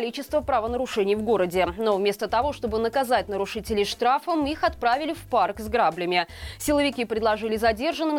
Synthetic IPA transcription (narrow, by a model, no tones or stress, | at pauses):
lʲit͡ɕɪst̪vəpɾɐvənəɾʊʂɛnʲɪjvɡo̞ɾədʲɪno̞vmʲe̞st̪ət̪ɐvo̞ʂt̪o̞bɨnəkɐzatʲnəɾʊʂɨtʲɪlʲɪjʂt̪ɾafəmixɐt̪̚pɾavʲɪlʲɪfparkzɡɾablʲɪmʲɪsʲɪlˠəvʲɪkʲipɾʲɪd̪lˠɐʐɨlʲɪzɐdʲe̞rʐənːɨm